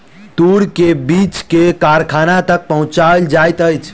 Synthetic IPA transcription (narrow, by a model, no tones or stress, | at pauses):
t̪uɾkebit͡ʃkekaɾkʰanat̪ək̚pəɦũt͡ʃald͡ʒajt̪əjt͡ʃʰ